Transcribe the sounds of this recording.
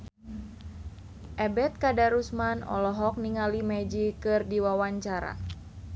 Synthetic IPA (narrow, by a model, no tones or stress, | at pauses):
ʔɛbɛt̪̚kadaɾusmanɔ̰lɔɦɔk̚niŋalimɛd͡ʒikɨrdiwawaɲt͡ʃaɾa̰